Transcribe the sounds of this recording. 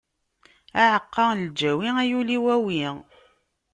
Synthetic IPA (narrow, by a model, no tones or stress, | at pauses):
æʕəqːɑld͡ʒæwiæjuliwæwi